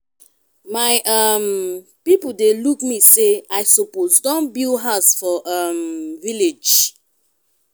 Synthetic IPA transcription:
maɪam | pipodelukmiseaɪsopozdɔ̃nbilɦaʊsfɔʔamviled͡ʒ

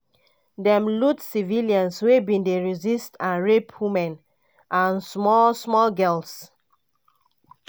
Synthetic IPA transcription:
dɛ̃mlutsiviliãnswebĩndeɹizistãnɹepʰwimɛ̃n | ʔãnsmɔlsmɔlɡɛls

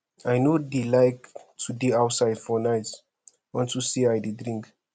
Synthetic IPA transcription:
ajnodilajktʰudeawtsajdfɔnajt | ɔ̃ntusiajdidɹĩŋk

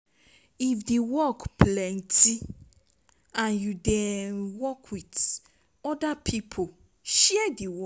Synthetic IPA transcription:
ifdewɔkplɛ̃nti | ãnjudɛ̃nwɔkʰwid | ɔdapʰipʰo | ʃɛɛdewɔ

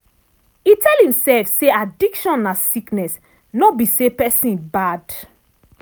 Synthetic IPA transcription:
itʰɛlhĩmsɛlfseadikʃɔ̃nːasiknɛs | nɔt̚bisepɛsĩnbad

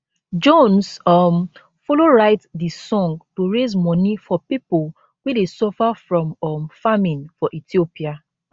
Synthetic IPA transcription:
d͡ʒõnsɔm | fɔloɹaɪtdisɔ̃ŋɡtuɹezmɔnifɔpipol | wedesɔfafɹɔ̃mɔmfamĩnfɔʔitiopia

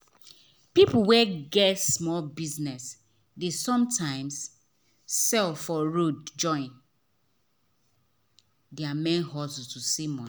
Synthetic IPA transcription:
pipuwɛɡɛtsmɔlbiznɛs | desɔ̃mtʰãɪ̃ms | sɛlfɔɹod̚d͡ʒɔ̃ɪ̃n | dɛamɛ̃nɦɔsustusimɔ̃n

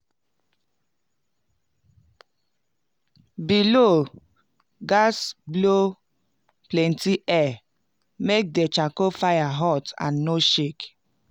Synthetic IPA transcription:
bilo | ɡasblo | plɛn̩tiʔɛ | mek̚det͡ʃakofajaɦɔtã̰nːoʃek

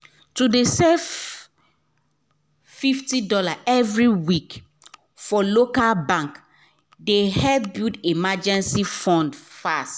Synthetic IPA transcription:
tudesɛf | fiftidɔlaʔɛvɹiwik | fɔlokalbãŋk | dehɛbildemad͡ʒɛ̃nsifɔ̃ndfast

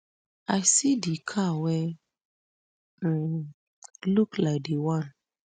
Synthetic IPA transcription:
asidikʰawɛ | luklaɪk̚dewãn

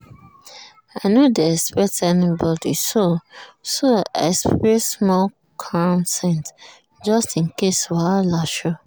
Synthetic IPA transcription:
aɪnodɛspɛtɛnĩbɔdisosoa̰sɹesmɔl | kʰɔ̃ntʰɛ̃nt | d͡ʒʌstĩnkesɔvalaʃo

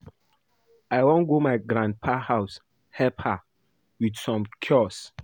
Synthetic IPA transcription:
aɪwõnɡomaɪɡɾãnd̚pʰahaʊs | hɛpha | widsɔ̃mkʰjɔs

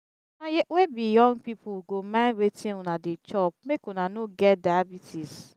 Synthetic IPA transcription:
ajewebijɔ̃ŋɡpipuɡomãnɾetʰĩnɔnadet͡ʃɔp̚mekonanoɡɛt̚daabitʰis

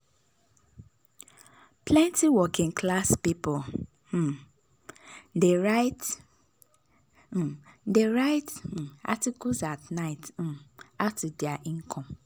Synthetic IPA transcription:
pʰlɛ̃ntiwɔkĩŋkʰlaspipɔ̃ | deɹaɪt | deɹaɪt̩a̰tikusatnaɪt̩aftudiaʔĩŋkʰɔ̃m

